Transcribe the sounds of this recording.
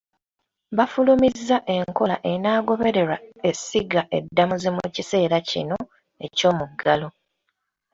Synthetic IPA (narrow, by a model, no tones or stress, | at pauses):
βafulumizːaʔe̞ŋko̞laʔe̞naːɡo̞βe̞ɾe̞ɾae̞siɡaʔe̞dːamuzemucise̞ːɾacḭno̞ | e̞̰co̞ːmuɡalo̞